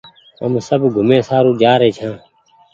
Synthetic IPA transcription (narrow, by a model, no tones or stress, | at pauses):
ɦə̰msəbɡʱʊmẽːsaːɾũːd͡ʒaːɾeːt͡ʃʰãː